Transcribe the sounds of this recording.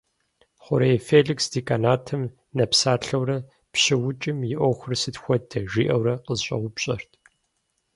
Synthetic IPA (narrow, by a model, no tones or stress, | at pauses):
χʷʊɾejfeːɮiksdiːkʼanaːtʰɨm | nɐpsaːɬɐwrɐ | pʃɪwʊt͡ʃʼɪmjɪʔʷɔxʷʊrsɨtxʷɔdʰɐʒiːʔɐwɾɐqəzɕʼɐ̰wʷʊpɕʼɐrtʰʼ